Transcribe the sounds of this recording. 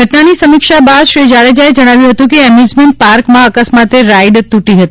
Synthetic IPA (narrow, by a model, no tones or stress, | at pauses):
ɡʱəʈnanisəmɪkʃabad̪ʃɾid͡ʒaɭed͡ʒaed͡ʒəɽ̃aʋjũɦət̪ũk̬eɛmjuzmeɳʈ̚paɾkmãəkəsmat̪eɾajɖt̪uʈiɦət̪i